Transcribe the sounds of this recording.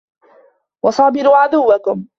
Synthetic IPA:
wɑsˤɑːbɪɾuːʕad̪ʊwːakʊm

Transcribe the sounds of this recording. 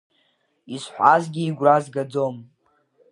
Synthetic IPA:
izħʷazɡʲiːɡʷrazɡad͡zom

